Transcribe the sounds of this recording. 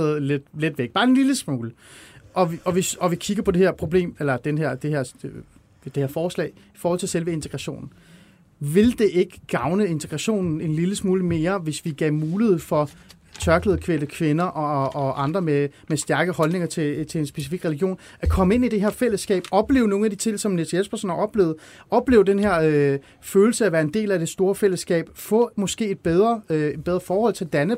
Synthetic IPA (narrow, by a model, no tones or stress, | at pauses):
ð̩ˠle̥led̥ʋeɡ̥̚b̥ɑ̈ːe̝nliləsmuːlə | ʔɒ̽ʋɒ̽ʋe̝sɒ̽ʋikʰiɡ̥ɐpʰɒ̽d̥e̝heɐpʰʁo̝b̥le̝̰ːmelɐd̥enəɦæɐ̰d̥eheɐ̰ | d̥e̝heɐfɒːslɛ̰ɪ | i̥fɒːhɒ̽l̰t͡sʰe̝lselʋəe̝nt͡sʰe̥ɡ̥ʁɑɕo̝̰ːnn̩ | ʋe̝ld̥e̝ʔe̝ɡ̥əɡ̥ɑ̈ʊnəe̝nt͡sʰeɡ̥ʁɑɕo̝̰ːnn̩e̝nliləsmuːləme̝ːɐʋe̝sʋiɡ̥ɛ̰ːmuːlið̞̩ˠfɒ̽ | t͡sʰɶɐɡ̥ləð̩ˠkʰʋendəkʰʋenɐʔɒɒɒʔɑ̈nd̥ʁɐmemesd̥æɐɡ̥əhɒ̽lne̝ŋɐt͡sʰe̝t͡sʰe̝ensb̥e̝sifiɡ̥ʁɛliɡ̥jo̝̰ːn | ækʰɒ̽məe̝nid̥eɦe̝ɐfel̰əsɡ̥ɛ̰ːb̥ɒ̽b̥le̝ːʊno̝ːn̩æd̥it͡sʰe̝ŋ̰sɒ̽menet͡sʰeespʰæɐso̝̰nɐʔɒ̽b̥le̝̰ʊð̩ˠɒ̽b̥le̝̰ʊd̥enɦe̝ɐø | føːl̩səæʋæːɐe̝nd̥e̝̰ːlæd̥e̝sd̥o̝ːɐfel̰əsɡ̥ɛ̰ːb̥fɔ̰̽ːmɒ̽sɡ̥e̝̰ːe̝d̥̚b̥eð̞ˠʁɐed̚b̥eð̞ˠʁɐfɒːhɒ̽l̰t͡sʰe̝ld̥ænə